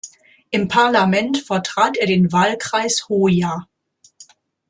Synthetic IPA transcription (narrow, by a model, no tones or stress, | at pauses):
ʔɪmpʰaɐlamɛntfɛɐtʁ̥aːteːɐdeːnvaːlkʁ̥aɪshoːjaː